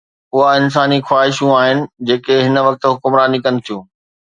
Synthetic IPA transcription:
ʊɦaɪns̬aːnixwaːɦɪʃũaːɦɪnɪ̆d͡ʑeːkeɦɪn̆ʋɐk̚t̪ɦʊkʊmɾaːnikənɪ̆t̪ʰijũː

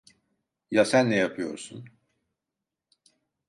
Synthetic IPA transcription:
jasænːɛjapʰɯjo̞̰ɾsun

